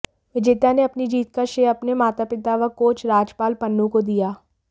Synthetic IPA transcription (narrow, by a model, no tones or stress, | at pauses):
ʋɪd͡ʒeːt̪aneɐpnid͡ʒiːt̪̚kaʃeɐpnemaːt̪apɪt̪aʋakoːt͡ʃɾaːd͡ʒpaːlpɐnːũkod̪ijaː